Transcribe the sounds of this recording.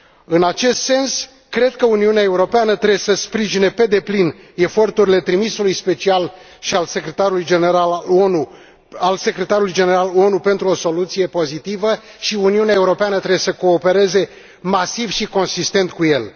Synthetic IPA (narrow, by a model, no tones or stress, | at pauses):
ɨnat͡ʃe̞st̪se̞ns | kɾe̞d̪̚kəuniuneae̞uɾo̞peanət̪ɾesəspɾiʒine̞pe̞d̪e̞plin | e̞fo̞rt̪uɾile̞t̪ɾimisulujspe̞t͡ʃial | ʃialse̞kɾet̪aɾulujd͡ʒeneɾalonu | alse̞kɾe̞t̪aɾulujd͡ʒe̞ne̞ɾalo̞nupe̞nt̪ɾuo̞so̞lut̪sije̞po̞zit̪ivəʃiuniuneae̞uɾo̞peanət̪ɾe̞besəko̞ːpe̞ɾe̞ze̞ | masivʃiko̞nsist̪e̞nt̪̚kuje̞l